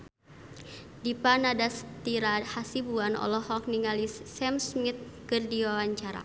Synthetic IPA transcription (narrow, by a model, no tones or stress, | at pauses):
dipanadast̪iɾahasibuanɔ̰lɔhɔk̚niŋalissɛmsmit̪̚ | kɨrdiwawaɲt͡ʃaɾa̰